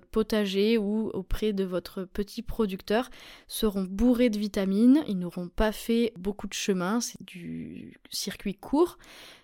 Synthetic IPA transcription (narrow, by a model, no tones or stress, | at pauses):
pɔt̪aʒeuo̰pχɛd̪əvɔt̪χəpət̪ʰipχɔd̪ykt̪œʁsəʁɔ̃buʁed̪əvit̪aminḭlnoʁɔ̃pafɛbokud̪əʃəmɛ̃sɛ̥d̪̥y | siʁkʲɥikʰuːʁ